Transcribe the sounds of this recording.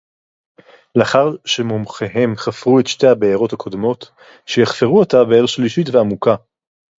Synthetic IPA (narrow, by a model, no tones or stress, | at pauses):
leaχaʁʃemomχeɦe̞mχafʁuetʃtehabeaʁo̞thakʰo̞d̪mo̞t | ʃejeχfeʁuotabeeʁʃliʃitveamuka